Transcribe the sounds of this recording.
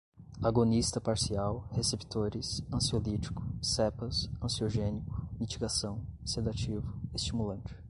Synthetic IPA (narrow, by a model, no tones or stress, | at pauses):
aɡonist̪ɐpaɾsiawhesepi̥t̪oɾɪsɐ̃siolit͡ʃi̥kʊ̥sɛpɐsɐ̃sioʒẽnikʊ̥mit͡ʃiɡasɐ̃w̃sed̪at͡ʃivʊest͡ʃimulɐ̃nt͡ʃɪ̥